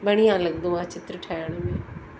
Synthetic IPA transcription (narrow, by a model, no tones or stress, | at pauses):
bəɽ̃ijãːləɡd̪õːãːt͡ʃɪt̪ɾəʈʰaːjaɽ̃mẽː